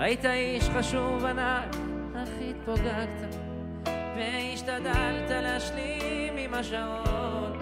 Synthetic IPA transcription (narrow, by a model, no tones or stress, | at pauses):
ajit̪aiʃχaʃuvanaj | haχit̪̚poɡaɡt̪a | veiʃt̪ad̪alt̪aleaʃlimimaʃa | on